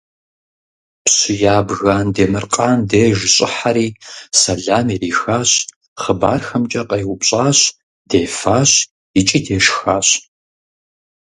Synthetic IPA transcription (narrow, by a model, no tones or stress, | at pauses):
pɕɪjaːbɣaːndeːmɨrqʼaːndeːʒɪɕʼɪħaɾiːsɐɮaːmiriːxaːɕ | χəba̰ːrxɐmt͡ʃʼɐqɐjwʷʊpɕʼaːɕ | d̥eːfaːɕ | ɪt͡ʃʼiːdeːʂxaːɕ